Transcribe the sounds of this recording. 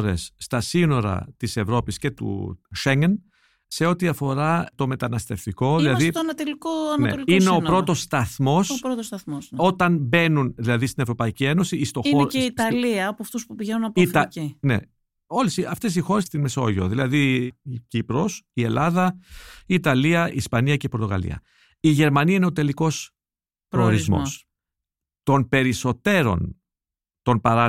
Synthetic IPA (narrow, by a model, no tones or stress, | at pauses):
ɾe̞̰sːt̪ɐsino̞ɾɐ̰t̪ise̞vɾo̞pisce̞t̪ṵʃeɲen | se̞o̞t̪iɐfo̞ɾɐt̪o̞me̞t̪ɐnɐst̪e̞ft̪iko̞ðilɐðioɐnɐt̪olikoɐnɐnḛoliineo̞npɾo̞t̪o̞st̪ɐθmo̞sɾot̪ost̪ɐθmoso̞t̪ɐnbe̞nunðilɐðist̪ine̞vɾo̞pɐicie̞no̞siist̪ooeiit̪ɐliɐɐpoɐft̪uspupiʝenunɐpːfɐcinḛ | o̞lisiɐft̪e̞s̬ixo̞ɾe̞st̪inme̞so̞̰ʝio̰ðilɐðicipɾo̞sielʔɐðɐiːt̪ɐliɐiːspɐniɐce̞ipo̞ɾt̪o̞ɣɐ̰lḭɐ̰ | iʝe̞ɾmɐniɐine̞ot̪e̞liko̞s | pɾooɾizmo̰s | t̪o̞npe̞ɾiso̞t̪e̞ɾo̞̰n | t̪o̞npɐɾɐ